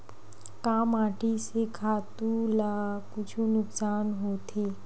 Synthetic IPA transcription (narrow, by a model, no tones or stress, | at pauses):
kaːmaːʈisekʰaːt̪ulakʊt͡ʃʰũnʊksaːnɦoːt̪ʰeː